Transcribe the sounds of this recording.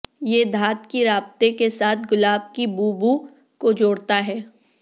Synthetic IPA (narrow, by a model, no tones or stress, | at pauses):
jeːd̪ʱaːt̪kiɾaːb̚t̪ekesaːt̪̚ʰɡʊlaːb̚kibuːbu | kod͡ʒoːɽt̪aɦɛː